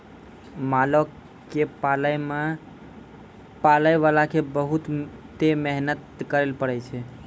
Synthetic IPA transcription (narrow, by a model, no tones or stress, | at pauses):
malok | kepalme | paləjʋalakebəɦut̪ː | emeɦnət̪kəɾelpəɽɛt͡ʃʰɛ